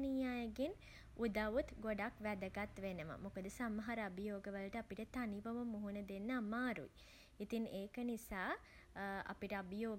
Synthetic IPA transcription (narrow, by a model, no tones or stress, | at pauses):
nijaːjəɡen | ud̪aʋut̪ɡoɖakʋæd̪əɡat̪ʋenəʋə̰mukəd̪əsaməɦɐɾəɐbijoːɡəʋələʈəapiʈət̪aniʋəʋəmuɦunəd̪enːəamaːɾṵi | it̪iŋeːkənisaː | ɐ̰piʈəabijoː